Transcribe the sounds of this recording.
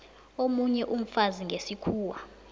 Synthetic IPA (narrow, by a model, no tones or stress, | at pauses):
omuɲɛʔum̩faziŋɡʱesikʰuːwa